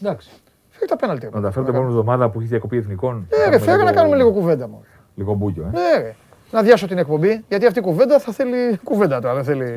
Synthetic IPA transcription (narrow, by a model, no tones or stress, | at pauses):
d̪ɐks | feɾit̪ɐpenɐlt̪iɐt̪ɐfeet̪eoumvðomɐðɐpuiçizðiɐko̞pieθniko̞nneɾefeɾinɐkɐnume̞liɣo̞kuve̞nd̪ɐmo | liɣobucoeneɾe | nɐðjʝɐso̞t̪ine̞k̚po̞mbiʝɐt̪iɐft̪ikuve̞nd̪ɐθɐθelikuve̞nd̪ɐt̪uɐðenθeli